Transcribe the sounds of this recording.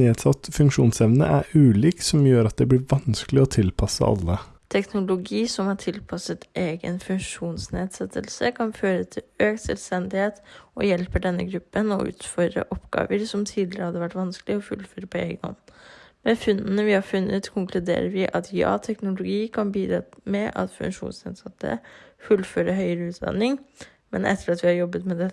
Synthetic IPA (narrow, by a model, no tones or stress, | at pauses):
neːd̪sɑt̪ːfʉŋkʂuːnsɛʋnə̰ʔæɾʉːliːksɔmjøːɾɑt̪̚d̪ɛb̪ɪɾʋɑnsklɪɔt̪ʰɪlpʰɑsə̰ɑ̰lːə | t̪ʰɛknʊlʊɡiːsɔmhɑʈʰɪlpʰɑsət̪eːɡənfʉŋʂuːnsneːd̪sɛt̪ʰːəlsəkʰɑnføːɾət̪ʰɪløːksɛ̰lst̪ɛnd̪ɪheːt̪ɔjɛlpəɖɛnːə̰ɡɾʉpːənɔ̰ʔʉ̰ːt̪fɔɾɖɾə̰ʔɔpːɡɑ̰ːʋəɾsɔmt̪ʰiːd̪lɪɾəhɑd̪ːəʋæʈːʋɑnsklɪɔfʉlføːɾəpʰɔḛːɡənɔ̰nmɛfʉnd̪ənəʋɪhɑɾfʉnːət̪kʰʊŋklʉd̪ḛːɾəɾʋɪʔɑt̪ʰjɑ̰ːt̪ʰɛknʊlʊɡiːkʰɑnbiːd̪ɾɑmɛʔɑ̰t̪fʉ̰ŋʂṵːnsneːd̪sɛt̪ːə̰fʉlføːɾəɦœʏəɾəʉːt̪̚d̪ɑ̰nɪŋ | mɛnʔɛ̰t̪ːəɾɑt̪ʋɪhɑɾjɔbːət̪mɛd̪ɛ